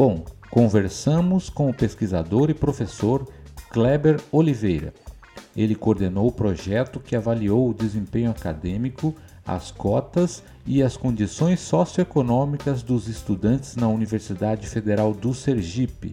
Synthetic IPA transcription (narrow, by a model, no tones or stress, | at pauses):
b̥õw̃kõveɾsɐ̃mʊskõʊpeskizad̪oɾɪpɾofesoɾklɛbeɾolivejɾɐ̰ | elɪkoɾd̪enowʊpɾoʒɛt̪ʊkɪavaliowʊd̪ezẽpẽɲʊakad̪ẽmikʊ | ɐ̰skɔt̪ɐz | ɪɐskõd͡ʒ̪isõj̃sːɔsjoekonõmikɐzd̪ʊzɪst̪ud̪ɐ̃nt͡ʃ̪ɪznɐuniveɾsid̪ad͡ʒɪfed̪eɾawd̪ʊseɾʒipɪ̰